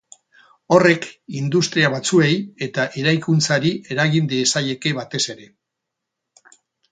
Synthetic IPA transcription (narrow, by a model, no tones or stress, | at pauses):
o̞re̞kind̪ust̪ɾiaβ̞at͡sue̞je̞t̪aʔe̞ɾajkunt͡saɾie̞ɾaɣind̪iesaje̞ke̞βat̪e̞se̞ɾe̞